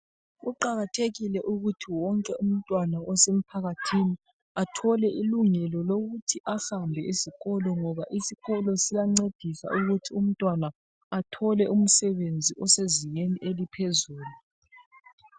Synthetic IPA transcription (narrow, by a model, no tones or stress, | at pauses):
ɣuǃaɣatʰeɣilɛʔuɣutʰiwɔŋkʼɛʔum̩tʼwanaɔsem̩pʰaɣatʰini | atʰɔlɛʔiluŋɛlɔloɣutʰiʔahambʱɛisiɣɔlɔŋɔβaʔisiɣɔlɔsijaŋ͡ǀed̥ʱisa̰ʔuɣutʰium̩tʼwana | atʰɔlɛʔum̩sɛβend͡zʱiʔɔseziŋeniʔelipʰezuːlu